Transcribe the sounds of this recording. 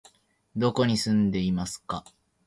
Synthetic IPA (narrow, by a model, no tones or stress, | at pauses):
d̪o̞ko̞ɲ̟isɨ̃nd̪e̞imasɨ̥ka